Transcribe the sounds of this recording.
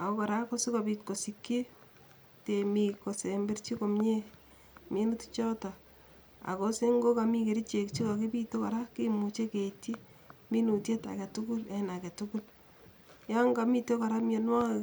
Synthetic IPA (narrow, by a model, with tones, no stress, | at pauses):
a̰˨ko˦ka˨ɾa˦ko˦su˦ka˨bitko˨si˨kje˦ | te˨mi˨ko˨se˨mbe˦ɾt͡ʃi˦ko˨m˦e˦ | mi˦nu˦ti̥t͡ʃɔ˦ta˨ | a̰˨ko˦se˦ŋɡo˦ka˨mi˦ke˨ɾi˦t͡ʃe˨kt͡ʃi˦ka˨ke˦pito˦kaɾa˦ki˦mu˨t͡ʃe˦ke˨ti˦ | mi˦nu˨tje˦ta̰˨ke˨tu˦ku˦le˦na˨ke˨tuku˦l | ja˦ŋɡa˨mi˦to˦ka˨ɾa˦mje˨nwa˦